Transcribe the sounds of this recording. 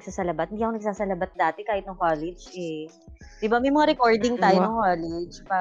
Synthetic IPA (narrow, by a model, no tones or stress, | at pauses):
ɡ̥saːsɐlɐbat̪hɪnd̪iːɐkonɐɡ̚saːsɐlɐbat̪̚d̪aːt̪ɛkaːhɪt̪noŋkoːlɛd͡ʒʔɛ | d̪ɪbamɐjmɐŋaɾɛkoɹd̪ɪŋt̪aːjonoŋkoːlɛd͡ʒpa